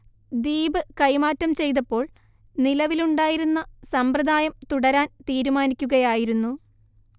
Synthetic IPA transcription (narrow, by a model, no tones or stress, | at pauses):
d̪iːbɨkɐjmaːtːɐmt͡ɕe̞jt̪̬ɐpːo̞ːɭ | nilɐʋiluɳɖaːjiɾunːɐsɐmprɐd̪ʱaːjɐmt̪uɽɐɾaːnt̪iːɾumaːnikʲːuɣɐjaːjiɾunːu